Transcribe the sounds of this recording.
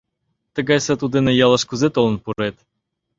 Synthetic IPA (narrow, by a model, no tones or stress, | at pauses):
t̪ə̆ɡɑjsɑt̪ud̪enejɑlˠə̆ʃkuzet̪olˠə̆npuɾet̪